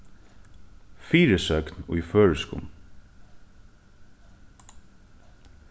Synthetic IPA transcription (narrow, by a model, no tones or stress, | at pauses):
fiːɾəsœknʊ̰jføːɹɪskʊ̰m